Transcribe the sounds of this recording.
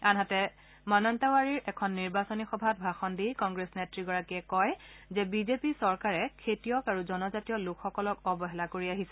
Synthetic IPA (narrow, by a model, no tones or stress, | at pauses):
anɦatɛ | mɔnɔntawaɹiɹʔɛkʰɔnːiɹbasonixɔbʱat̚bʱaxɔndikɔŋɡɹesnetɹiɡɔɹakiɛkɔjzɛbizepisɔɹkaɹɛkʰetijɔkaɹuzɔnɔzatijɔlʊkʰxɔkɔlɔkɔbɔɦɛlakoɹiaɦisɛ